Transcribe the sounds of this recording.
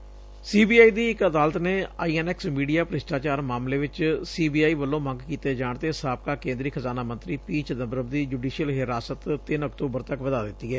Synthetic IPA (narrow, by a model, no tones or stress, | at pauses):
siːbiːaːiːd̪iːɪkəd̪aːlət̪neːaːiːɛːnɛːksmiːɖijaːpɾɪsʈaːt͡ʃaːɾmaːmleːʋɪt͡ʃsiːbiːaːiːʋəlːõːmə̃ŋɡkiːt̪eːd͡ʒaːɳt̪eːsaːp̚kaːkẽːnd̪ɾiːkʰəzaːnaːmə̃nt̪ɾiːpiːt͡ʃd̪əbɾəbd̪iːd͡ʒuːɖiːʃijəlɦɪɾaːsət̪t̪ɪnəkt̪oːbəɾt̪əkʋəd̪aːd̪ɪt̪ːiːɦɛː